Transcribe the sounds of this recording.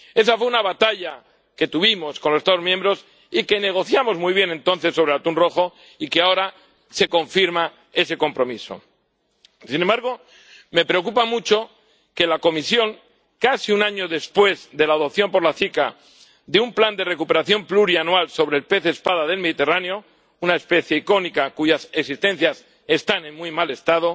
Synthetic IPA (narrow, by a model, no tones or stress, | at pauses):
e̞s̬afwe̞unaβat̪aʎa | ke̞t̪uβimo̞skonlosest̪aðozmjembɾo̞s | ike̞ne̞ɣ̞o̞θjamozmujβje̞nẽ̞nt̪o̞nθe̞sːo̞β̞ɾeat̪unro̞xo̞ | ikeao̞ɾa | se̞ko̞ɱfiɾma | e̞se̞ko̞mpɾo̞miso̞̰ | sinembaɾɣ̞o̞ | me̞pɾe̞o̞k̬upamut͡ʃo̞ | ke̞lako̞misjo̞ŋ | kasiunaɲo̞ðe̞spwe̞zðe̞laːð̞op̚θjo̞mpo̞ɾlaθika | ðeumpland̪e̞re̞kupe̞ɾaθjo̞mpluɾianwalso̞βɾe̞lpe̞θespaðaðe̞lme̞ðit̪e̞raneo̞ | unaespe̞θje̞iko̞nikakuʝaseksist̪e̞n̟θjas | e̞st̪anẽ̞nmujmale̞st̪að̞o̞